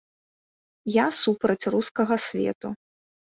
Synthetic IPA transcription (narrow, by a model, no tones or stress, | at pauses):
jasupɾɐt͡sʲruskɐɣɐsʲvʲɛ̰t̪u